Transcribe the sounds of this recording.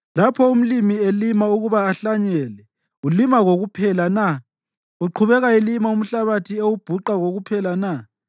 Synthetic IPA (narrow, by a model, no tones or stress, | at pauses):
lapʰɔum̩limielimauɣuβaːɬaɲɛːlɛ | ulimaɣoɣupʰɛlana | uǃʰuβɛɣaelimaum̩ɬaβatʰiewub̥ʱuǃaɣoɣupʰɛlana